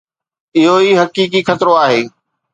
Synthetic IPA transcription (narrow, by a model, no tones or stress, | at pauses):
ɪɦoiːɦɐkiːkixɐt̪ɪɾoaːɦeː